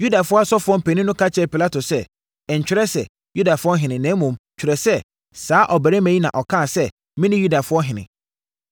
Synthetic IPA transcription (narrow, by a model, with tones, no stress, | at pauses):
ju˦da˨fʊ˦ɔ˦a˦sɔ˦fʊ˦ɔ˦m̩˦pʰɛ˨nĩ˦nʊ̃˦kʰa˦t͡ɕʰɛ˦˨pi˨la˦to˨sɛ˦˨ | ɲ̩˨t͡ɕᶣɪ˦ɾɛ˦sɛ̰˨ | ju˦da˨fʊ˦ɔ˦ɦɪ̃˨nɪ̃˨næ̃˨˦mũ˨m˨t͡ɕʰᶣɪ˨ɾɛ˨sɛ˦ | saː˨˦ʔɔ˨bæ˨ɾæ˦mæ̃˨i˦nã̰˨ʔɔ˨kʰãː˦˨sɛ˦ | mɪ̃˦nɪ̃˦ju˦da˨fʊ˦ɔ˦ɦɪ̃˨nɪ̰̃˨